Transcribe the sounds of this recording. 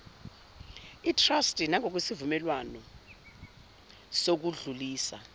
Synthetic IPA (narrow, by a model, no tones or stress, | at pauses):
itʰrastʼinaŋʱok̬wesivumɛlwanɔ | sok̬uɮuliːsa̰